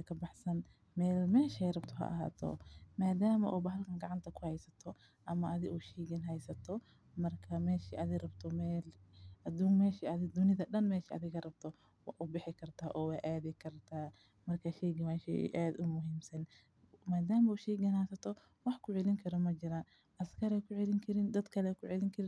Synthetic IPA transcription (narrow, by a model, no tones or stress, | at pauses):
ɐkʰɐbɑħsɐn | mɛːlmɛːʃɛrɐbt̪ʰɔɦɐ̰ʔɐ̰ɦa̰ːt̪ʰɔ̰maːd̪aːmɐ̰ʔuːbɐɦɐlkʰɐŋɡɑʕɑnt̪ʰɐkʰʊhɛjsɐt̪ʰɔ | ʔɐmɐʔɐðɪʔuːʃɛːɡɪnɦɛjsɐt̪ʰɔ | mɐrkʰɐmɛːʃiʔɐðɪrɐbt̪ʰɔmɛːlʔɐd̪uːŋmɛːʃiɐðɪd̪ʊnɪðɐɗɐnmɛːʃiɐ̰ðɪɣɐrɐb̚t̪ʰɔ | wɑːʔʊbɪħɪkʰɐrt̪ʰaːʔɔːwɑːʔaːðɪkʰɐrt̪ʰaː | mɐrkʰaʃɛːɡɪwaʃɛ̰ʔaːd̪ʊmʊɦiːmsɐn | maːd̪aːmɐuːʃɛːɡɐnhɛjsɐt̪ʰɔ | wɑħkʰʊʕɛlɪŋkʰɐɾɔmɐt͡ʃɪɾaːn | ʔɐskʰɐɾɛkʰʊʕɛlɪŋkʰɐɾɪnd̪ɐd̪kʰɐlɛkʰʊʕɛlɪŋkʰɐɾɪn